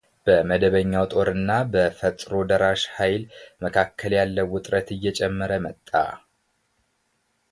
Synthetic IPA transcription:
b̥əməd̪əβəɲːawt̪ʼo̞ɾɨnːabəfət̪ʼɾod̪əɾaʃhajlməkʰakʰːəljalːəwːʊt̪ʼɾət̪ɨjːɛt͡ʃʼɛmːəɾəmət̪ʼːa̰

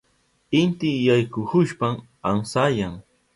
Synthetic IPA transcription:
ɪnt̪ɪjajkʊhʊʃpam | aŋsajaŋ

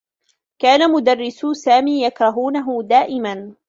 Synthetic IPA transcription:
kaːnamʊd̪arːɪssaːmiːjakɾˤɑɦuːnaɦʊd̪aːʔɪman

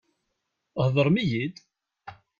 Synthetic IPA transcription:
hðˤəɾˤmijid̪

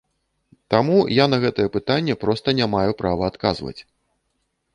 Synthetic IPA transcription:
t̪amujanɐɣɛt̪ɐjɛpɨt̪anʲːɛpɾɔst̪ɐnʲamajupɾʔavɐːt̪kazvɐ̰t͡sʲ

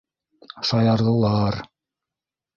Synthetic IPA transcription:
ʃɑjɑɾðɤ̆lˠɑɾ

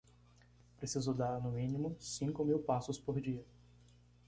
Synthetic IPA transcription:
pɾesizʊd̪aɾnʊmĩnĩmʊsĩŋkʊmiwpasʊspoɾd͡ʒiɐ

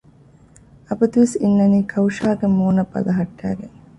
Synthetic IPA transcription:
ɐbɐd̪uʋisinːɐniːkʰɐwʃaːɡemoːnɐbɐ̰lɐɦɐʈːæ̰ːɡeŋ

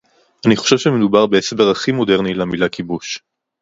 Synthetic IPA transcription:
ʔaniχoʃe̞vʃemedubaʁbeesbeʁaχimo̞de̞ʁnilamilakibuʃ

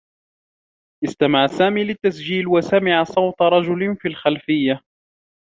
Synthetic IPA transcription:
ʔɪst̪amaʕsaːmiːlɪt̪ːasd͡ʒiːlwasamɪʕasˤɑwt̪ɾˤɑd͡ʒʊlnfiːlxalfɪjːa

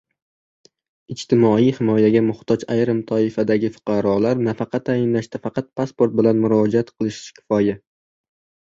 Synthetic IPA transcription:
ɪt͡ʃt̪ʰɪmɒijhɪmɒjaɡʲamʊht̪ʰɒd͡ʒajɾɪmt̪ʰɒɪfad̪aɡʲɪfʊ̥qʰɑɾɒlaɾnafɑqʰɑt̪ʰːajɪnlaʃt̪afɑqʰɑt̪̚pʰaspo̞ɾt̪̚bɪlanmʊɾɒd͡ʒaat̪qʰɨlˠɪʃkʲʰɪ̥fɒja

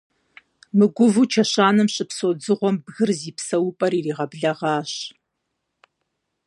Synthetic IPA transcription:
mɨɡʷʊvut͡ʃʰɐɕaːnɨmɕʼɨpsoːd͡zɨʁʷɔmbɣɨrziːpsɐwʊpʼɐɾiːriːʁɐbɮɐʁɑːɕ

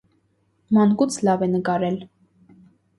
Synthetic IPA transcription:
mɑnkut͡sʰlɑvɛnəkɑɾɛl

